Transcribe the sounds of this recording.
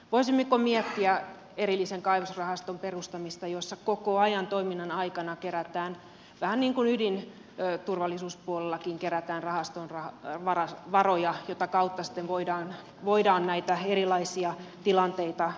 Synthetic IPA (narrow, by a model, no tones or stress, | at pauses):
ʋoisimːekomiɛt̪ːiæ | eɾilːiseŋkɑiʋusrɑhɑst̪omperust̪ɑmist̪ɑjosːɑkokoɑjɑnt̪oiminːɑnɑikɑnɑkeɾæt̪æːn | ʋæhænniːŋkunydinː | t̪urʋɑlːisuːspuolelːɑkiŋkeɾæt̪æːnrɑhɑst̪onrɑʋɑrɑʋɑrojɑjot̪ɑkɑut̪ːɑsi̥t̪ːeʋʋoidɑːn | ʋoidɑːnnæit̪æerilɑisiɑt̪ilɑnt̪eit̪ɑ